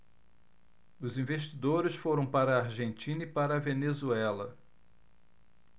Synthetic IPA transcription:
ʊzĩveʃ̬t͡ʃid̪oɾɪsfoɾɐ̃w̃paɾɐːɾʒẽnt͡ʃĩnɐipaɾɐvenezuɛlɐ

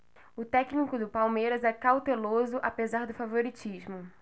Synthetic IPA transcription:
ʊt̪ɛknikʊd̪ʊpawmejɾɐzɛkawt̪elozʊʔapezaɾd̪ʊfavoɾit͡ʃiʒmʊ

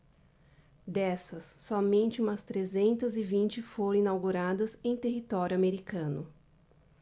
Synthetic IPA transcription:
d̪ɛsɐsːɔmẽnt͡ʃɪũmɐst̪ɾezẽnt̪ɐzɪvĩnt͡ʃɪfoɾɐ̃ĩnawɡuɾad̪ɐzẽj̃t̪eɦit̪ɔɾjʊameɾikɐ̃nʊ

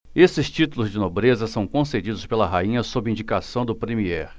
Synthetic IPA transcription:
esɪst͡ʃit̪ulʊzd͡ʒɪnobɾezɐsɐ̃w̃kõsed͡ʒid̪ʊspelɐɦaĩɲɐsobɪĩd͡ʒikasɐ̃w̃d̪ʊpɾemiɛɾ

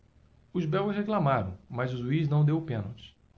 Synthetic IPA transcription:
ʊzbɛwʊsheklamaɾɐ̰̃w̃mazʊzuiznɐ̃w̃d̪ewpẽnot͡ʃ

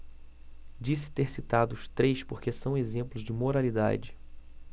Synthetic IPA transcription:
d͡ʒisɪ̥t̪eɾsit̪ad̪ʊːst̪ɾejspoɾkesɐ̃w̃ezẽmplʊzd͡ʒɪmoɾalid̪a̰d͡ʒɪ

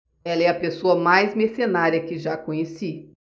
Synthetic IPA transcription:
ɛlɐɛɐpesoɐmajzmesenaɾiɐkɪʒakõɲesi

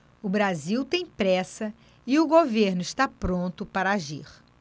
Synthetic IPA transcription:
ʊbɾaziwt̪ẽj̃pɾɛsɐ | ɪʊɡoveɾnʊɪʃt̪apɾõnt̪ʊpaɾɐaʒḭχ

